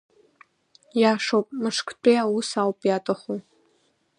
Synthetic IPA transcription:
jaʂowpʼmɨʂkʰʼt͡pʷʼijawusawpʼjatʼaχu

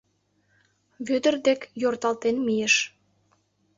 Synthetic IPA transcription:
βød̪ə̆rd̪ekjort̪ɑlt̪enmijeʃ

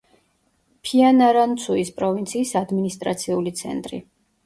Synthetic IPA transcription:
pʰianaɾant̪sʰuispʼɾɔvint̪sʰiːsad̪minist̪ʼɾa̰t̪sʰiulit̪sʰɛ̰nt̪ʼɾḭ

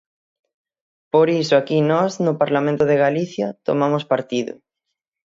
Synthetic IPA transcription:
poɾisʊakinɔznʊpaɾlamẽnt̪oðeɣaliθjɐt̪o̰mamʊspaɾt̪iðʊ̰

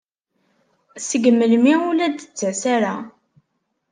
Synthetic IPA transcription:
səɡmːəlmiulæd̪ət͡sːæsaɾa

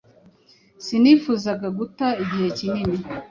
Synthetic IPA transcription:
sinifuːzaɡaɡutaiɟihe̞cinini

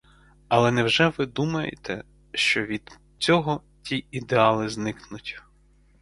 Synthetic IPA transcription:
ɐlˠɛnɛwʒɛʋɪd̪umɐjḛt̪ɛ̰ | ʃt͡ʃɔʋʲid̪̥ | t͡sʲɔɦɔ | tʲiid̪eɑlˠɪznɪknʊtʲ

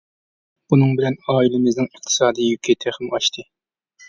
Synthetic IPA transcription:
b̥unɨŋbɪlɛnɑːilˠɨmɨznɨŋɨχt̪ʰɨ̥sɑːd̪ijjykʲʰit̪ʰɛχɪmɑʃt̪ʰɨ

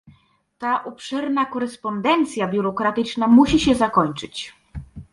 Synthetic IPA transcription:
t̪aʔupʂɛɾnakɔɾɛspɔnd̪ɛnt̪sʲjabʲjuɾɔkɾat̪ɘt͡ʂnamuɕiɕɛzakɔɲt͡ʂɘt͡ɕ

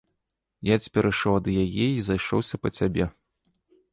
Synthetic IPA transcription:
jat͡sʲpʲɛɾʔɨʂɔwɐd̪jajɛizajʂɔ̰wsʲɐpɐt͡sʲabʲɛ

